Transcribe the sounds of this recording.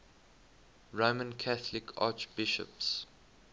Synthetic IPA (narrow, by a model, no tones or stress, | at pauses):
ɹomə̃nkʰaθlɪkʰa̰ːt͡ʃbɪʃə̰ps